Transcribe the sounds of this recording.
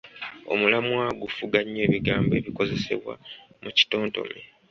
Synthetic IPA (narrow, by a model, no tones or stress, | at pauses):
o̞̰mulamwaːɡufuɡaɲːe̞ːβiɡaːmbe̞ːβiko̞ze̞se̞̰βwa̰muci̥to̞ːnto̞̰me